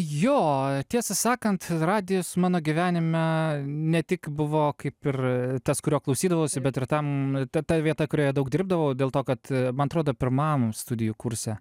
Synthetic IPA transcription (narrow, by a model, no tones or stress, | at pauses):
joːt̪ʲiɛsɐsɑːkɐnt̪rɑːd̪ʲɪjosmɑːnoːɡʲɪʋʲæːnʲɪmʲɛnʲɛt̪ʲɪkbʊʋoːkɐɪpɪrt̪ɐskʊɾʲoːklˠɐʊsʲiːd̪ɐʋɐʊsʲɪbʲɛt̪ɪrt̪ɐmt̪ɐt̪ɐʋʲiɛt̪ɐkʊɾʲoːjɛd̪ɐʊk̚dʲɪɾb̚d̪ɐʋɐʊdʲeːlˠt̪oːkɐt̪mɐnɐt̪ɾoːd̪oːpʲɪɾmɑːmst̪ʊd̪ʲɪjʊkʊɾʲsʲɛ